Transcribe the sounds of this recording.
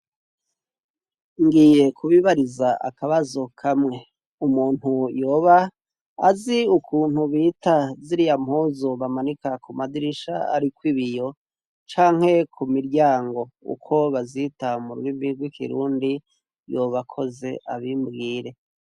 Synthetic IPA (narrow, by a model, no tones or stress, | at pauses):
ŋɡije̞kʰuβiβaɾizaʔa̰kaβazokʰamŋe̞ | umuːn̥hujo̞ːβa̰ː | ziukʰuːn̥huβiːtaziɾijamhoːzoβamanikakumadiɾiʃa̰a̰ɾikwiβijo̞ | t͡ʃaːŋ̥he̞kʰumiɾɟaːŋɡo̞ṵkʰo̞βazitamuɾuɾimbiɡwikʰḭɾuːndi | jo̞ːβakʰo̞ze̞ʔaβimbɡiːɾe̞